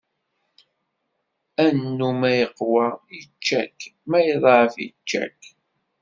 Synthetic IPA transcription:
ænːumæjəqːwæit͡ʃːækmæjəðˤʕəfḭt͡ʃːæ̰k

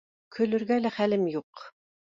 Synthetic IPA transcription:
kʰɵ̆lɵ̆ɾɡælæχælɘmjuq

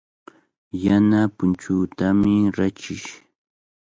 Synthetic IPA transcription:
janapʊnt͡ʃʊːt̪amɪɾat͡ʃɪʃ

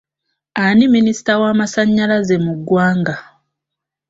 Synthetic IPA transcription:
animinisi̥tawaːmasaɲːalazemuɡːwaːŋɡa

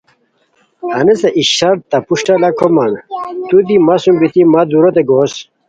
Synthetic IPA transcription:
hɐnesɐʔiɕɐɾt̪ɐpuʂʈɐlɐkʰomɐnt̪ud̪imasumbit̪imad̪uɾot̪eɡos

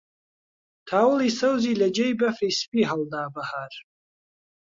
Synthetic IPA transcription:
tʰaːwlisɐwzilɐd͡ʒejbɐfrispʼiɦaldaːbahar

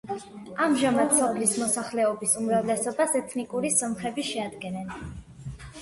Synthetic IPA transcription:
amʒamad̪sɔpʰlismɔsaχlɛɔbisumɾavlɛsɔbasɛt̪ʰnikʼuɾisɔmχɛbiʃɛad̪ɡɛnɛn

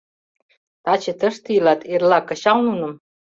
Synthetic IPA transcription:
t̪ɑt͡ɕĕt̪əʃt̪ilɑt̪erlɑkɤ̆ɕɑwnunə̆m

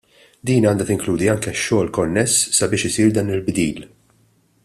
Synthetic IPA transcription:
d̪iːnɐːnd̪ɐt̪ɪŋkluːd̪iɐŋkɛʃːɔːlkɔnːɛsːɐbɪːʃɪsiːɾd̪ɐːnɪlbd̪iːl

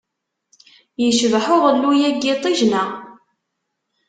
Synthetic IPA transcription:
jəʃvħʊʁəlːujæɡːɪt̪ˤiʒnæ

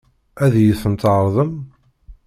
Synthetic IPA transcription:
æðjəθənt̪ʕəɾˤðˤəm

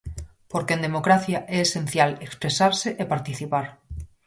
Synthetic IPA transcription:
poɾkend̪e̞mokɾaθjaʔeːsẽn̟θjalekspɾesaɾseʔepaɾt̪iθipaɾ

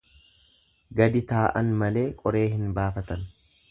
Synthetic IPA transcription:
ɡɐd̪ɪt̪aːʔɐnmɐle̞ːkʼɔɾe̞ːɦɪnbaːfɐt̪ɐn

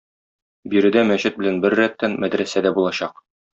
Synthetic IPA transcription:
biɾɘ̆d̪æmæɕɘt̪̚bɘ̆lænbɘɾːæt̪ːænmæd̪ɾæsæd̪æbulˠɑɕɑq

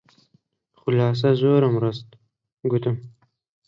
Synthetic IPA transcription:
χʊlɑːs̬azoːɾamɾast̪ | ɡut̪um

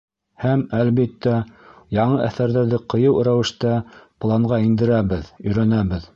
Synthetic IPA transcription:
hæmælβit̪ːæjɑɴɤʔæθæɾðæɾðɘqɤ̆jɤwɾæwɘ̆ʃt̪æplˠɑɴɢɑind̪ɘ̆ɾæβɘðɵ̆jɾænæβɘð

